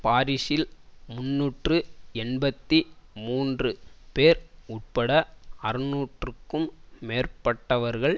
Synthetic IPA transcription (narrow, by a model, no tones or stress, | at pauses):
paːɾɪʂɪlmʊnːuːʈrɯɛnbɐt̪ːimuːndrɯpeːɾʊʈ̚pɐɽɐɐɾɯnuːʈrɯkːɯmːeːɾpɐʈːɐʋɐɾɣɐɭ